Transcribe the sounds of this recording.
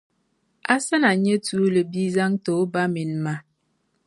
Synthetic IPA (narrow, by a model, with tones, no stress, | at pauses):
a˦sə˦na˨ɲə˦tu˨˦lə˨bi˦za˦ŋto˨˦ba˦mi˨nma˨˦